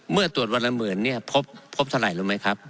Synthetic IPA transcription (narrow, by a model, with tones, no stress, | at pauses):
mɯ˥˩ɐt̪u˨˩ət̪̚wa˧nla˧mɯː˩˦nːi˥˩ɐpʰo˦˥p̚ʰːo˦˥p̚t̪ʰa˧la̰˨˩jluː˦˥˩ma˦˥jkʰa˦˥p̚